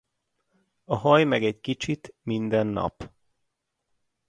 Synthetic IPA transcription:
ɒɦɒjmɛɡɛɟkit͡ʃit̪mind̪ɛnːɒ̰p

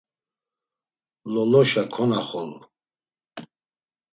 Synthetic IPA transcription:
lɔlɔʃakʰɔnaχɔl

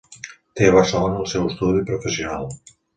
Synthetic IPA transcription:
t̪eβərselonəəlˠsɛwəst̪uðipɾofəsionalˠ

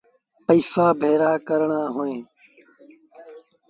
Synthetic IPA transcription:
pəiːsaːbʱeːɾaːkəɾɳãːɦoːẽː

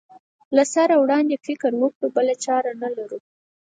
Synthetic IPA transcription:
lasaɾawɽɑnd̪efɪkɾwəkɽubəlat͡ʃɑɾanalaɾu

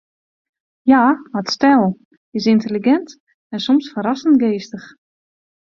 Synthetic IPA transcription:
jaːmətstɛlˠ | ɪsɪntəliɡɛnt | ɛnsɔmsfəɾasən̩tɡeːstəx

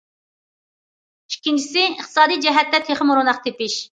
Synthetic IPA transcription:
i̥kʲʰːint͡ʃʰi̥sɪəχt̪ʰɨ̥sɑːd̪ijd͡ʒɛɦɛt̪ːɛt̪ʰeχəmuɾunɑχt̪ʰepɪʃ

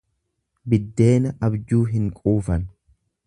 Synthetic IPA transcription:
bɪd̪ːe̞ːnɐʔɐbd͡ʒuːɦɪŋkʼuːfɐn

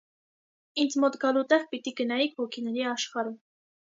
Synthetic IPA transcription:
ind͡zmɔt̪ɡɑlut̪ɛʁpit̪iɡənɑjikʰvɔkʰinɛɾiɑʃχɑɾum

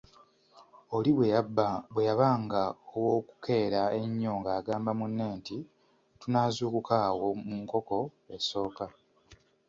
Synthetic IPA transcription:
o̞liβwebbwejaβaːŋɡaowoːku̥kʰe̞ːɾae̞ɲːo̞ːŋɡaːɡaːmbamunːeːnti | tunaːzuːkukaːwo̞muŋko̞ko̞ | eso̞ːka

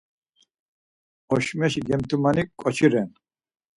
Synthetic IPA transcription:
ɔʃmɛʃiɡɛmt̪ʰʼumanikʼɔt͡ʃʰiɾɛn

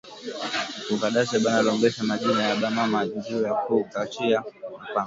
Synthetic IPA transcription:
kukaɗasɛɓanalɔŋɡɛʃamaʄinajaɓamamad͡ʒid͡ʒijakukat͡ʃiamapaŋ

